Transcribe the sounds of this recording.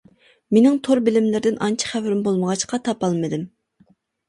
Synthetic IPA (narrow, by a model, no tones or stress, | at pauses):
menɪŋt̪ʰoɾbɪlɪmlɪɾɪd̪ɪnʔɑnt͡ʃʰi̥χæwɾɪmbolˠməʁɑt͡ʃqɑt̪ʰɑpɑlˠmɨd̪ɪm